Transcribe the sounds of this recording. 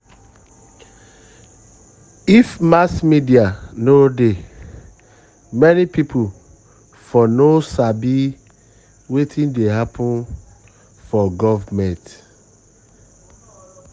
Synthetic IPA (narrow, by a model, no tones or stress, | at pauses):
ifmasmidianode | mɛnipipʰu | fɔnosabi | wetʰĩndeɦapʰɔ̃n | fɔɡɔvmɛ̃nt